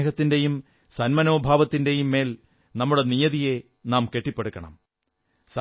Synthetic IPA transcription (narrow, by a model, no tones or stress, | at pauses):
ɣɐt̪ːinde̞jum | sɐnmɐno̞ːbʱaːʋɐt̪ːinde̞jumːe̞ːl | nɐmːuɽe̞nijɐðije̞ | naːmke̞ʈːipːeɽukːɐɳɐ̰m | sɐ